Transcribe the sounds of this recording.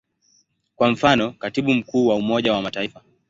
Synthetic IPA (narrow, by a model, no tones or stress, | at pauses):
kwam̩fanɔkatiɓum̩kuːwaumɔʄawamataifa